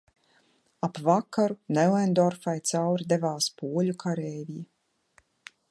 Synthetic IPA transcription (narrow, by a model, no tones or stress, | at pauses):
apvakːaɾunɛlɛnd̪ɔɾfajt̪sawɾid̪evaːspuɔlʲukʰaɾɛjviji